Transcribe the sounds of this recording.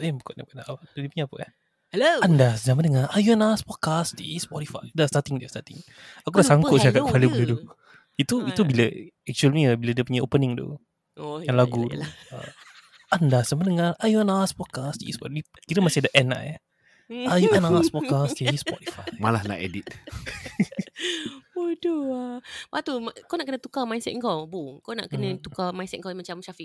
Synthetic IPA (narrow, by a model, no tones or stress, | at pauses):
ebukɔʔnapunaʔdipuɲaːpəa | oandazamandəŋaʔajuɛnaspɔd̚kastispɔtifajdastat̪ɪŋdiəstat̪ɪ̰ŋ | akudasaŋkʊʔ̪̚sakapalibulədu | it̪uit̪ubiləɛk̚t͡ʃuəlniəbiladiəpuɲaopənɪŋd̪ṵ | jaŋlaɡut̪ṵə̰ | andasəmənəŋarajuanaspɔkast̪ḭspɔi | kiɾəmasɪdəʔɛna̰ʔja | ajuʔanaspɔkasajispɔt̪i̥fajjmalahla̰ʔḛdit̪̚ | ɔdoabaʔt̪umakawnaʔkənət̪ukamajnsɛ̰t̪̚ŋkawbukawna̰ʔkənət̪ukamajnsɛt̪̚ŋkawimat͡ʃamʃafi